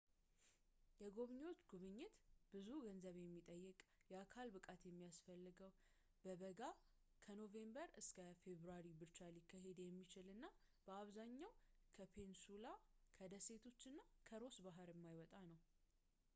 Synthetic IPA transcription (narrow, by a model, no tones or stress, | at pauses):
jɛɡo̞βɲo̞t͡ʃːɡuβɨɲːɪt̪bɨzuɡənzəβjɛmːit̪ʼəjːɨkʼjɛakʰalbɨkʼat̪jɛmːijasfəlːɨɡəw | b̥əβəɡa | kʰəno̞ve̞mbəɾɨskʰəfe̞βɾaɾibɨɾt͡ʃːalikʰːaɦe̞d̪jɛmːit͡ʃɪlɨnːa | b̥əaβzaɲːawkʰəpʰe̞nsulakʰəd̪əse̞t̪ʰo̞t͡ʃːɨnːakʰəɾo̞sbaɦɨɾjɛmːajwɔt̪ʼanəw